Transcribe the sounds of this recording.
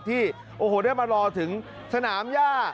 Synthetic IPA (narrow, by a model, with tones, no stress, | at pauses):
t̪ʰiː˥˩ | ʔoː˧˩ɦoː˨˩daː˥˩jmaː˧ɾɔː˧t̪ʰɯ˩˦ŋ | sa˧naː˩˦mjaː˥˩